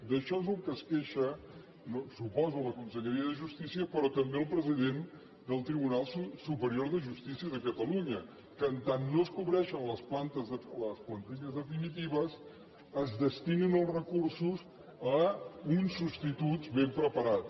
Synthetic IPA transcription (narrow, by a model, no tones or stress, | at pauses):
d̪əʃɔzəlˠkəskeʃə | nosupɔzuləkunsəʎəɾiəðəʒust̪isiəpəɾɔt̪əmbeəlˠpɾəziðen | d̪əlˠt̪ɾiβunalˠsusupəɾioɾðəʒust̪isiəðəkət̪əluɲə | kənt̪anːoəskuβɾɛʃənləsplant̪əzələsplənt̪iʎəzðəfinit̪iβ̞əz | əzðəst̪ininəlˠzrəkursuz | əunsːupst̪it̪uzβempɾəpəɾat